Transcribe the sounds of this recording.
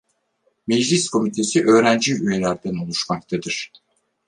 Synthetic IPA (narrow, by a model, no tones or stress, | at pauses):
mɛd͡ʒlʲiskʰo̞mit̪ʰe̞siʔø̞ːɾænd͡ʒiyje̞lʲæɾd̪ænolˠuʃmakt̪ʰad̪ɯɾ̥